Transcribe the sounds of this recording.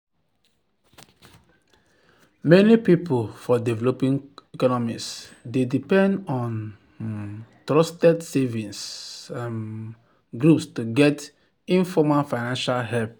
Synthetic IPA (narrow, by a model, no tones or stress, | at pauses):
mɛnipipolfɔdɛvɛlopĩŋekɔnɔmisdedipɛ̃ndɔ̃n | tɹɔstɛdsevĩns | ɡɾupstuɡɛt | ĩnfɔmafaɪnãnʃalhɛlp̚